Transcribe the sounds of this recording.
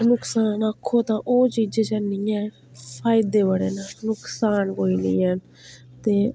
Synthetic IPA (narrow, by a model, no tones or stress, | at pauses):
nʊksaːnəkʰːoːt̪ãːʔoːt͡ʃiːd͡ʒet͡ʃənĩːɛː | pʰaːjd̪eːbəɽeːnanʊksaːnkoːiːnḭ̃ːən | t̪eː